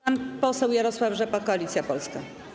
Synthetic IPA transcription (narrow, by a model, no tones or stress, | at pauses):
anpɔsɛwjaɾɔswavʐɛpakɔalʲit̪sʲjapɔlska